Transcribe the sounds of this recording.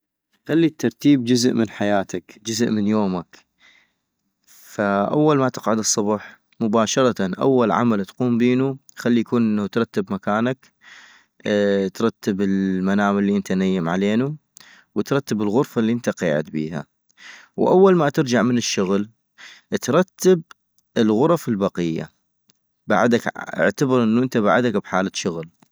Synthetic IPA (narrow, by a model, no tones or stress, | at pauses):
xalːit̪ːɑɾˤt̪iːb̚d͡ʒʊzʔmɪnħajaːt̪akd͡ʒʊzʔmənjoːmak | faʔa̰wːalmat̪ɪqʕʊd̪ɨsˤːɑbħ | mʊbaːʃɑɾˤɑt̪anʔa̰wːalʕa̰malt̪quːmbiːnuxalːijakuːnʔɪnːt̪ɾˤɑt̪ːɪbmakaːnak | t̪ɾˤɑt̪ːɪbɪlmanaːmalːiʔɪnt̪anajːamʕaleːnu | wɪt̪ɾˤɑt̪ːabɪlɣʊɾfalːiːʔɪnt̪aqiːʕɪ̰t̪̚bḭːha̰ | wʔawːalmat̪ɪɾd͡ʒaʕmənɪʃːʊɣl | t̪ɾˤɑt̪ːab̚ | ɪlɣʊɾˤɑfɪlbɑqɪjːa̰ | ba̰ʕd̪akʔɪ̰ʕt̪abɑɾˤʔɪnːuʔɪnt̪aba̰ʕad̪akbħaːlaʃːʊɣl